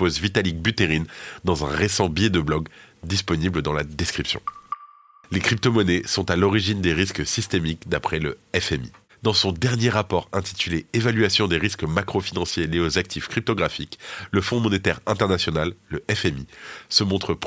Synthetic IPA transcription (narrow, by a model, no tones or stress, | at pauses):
pozvit̪alik̚byt̪eʁind̪ɑ̃zɛ̃ʁesɑ̃bjed̪əblɔɡd̪ispɔnibləd̪ɑ̃lad̪eskχipsjɔ̰̃ | lekχip̚t̪ɔmɔnɛsɔ̃t̪alɔʁiʒind̪eʁisksist̪emikd̪apχɛləɛfɛmḭ | d̪ɑ̃sɔ̃d̪ɛʁnjeʁapɔʁɛ̃t̪i̥t̪yleevalɥasjɔ̃d̪eʁiskmakχɔfinɑ̃sjeleozak̚t̪ʰifkχip̚t̪ɔɡʁafikləfɔ̃mɔnet̪ɛʁɛ̃t̪ɛʁnasjɔnalːəʔɛfɛmisəmɔ̃t̪χəp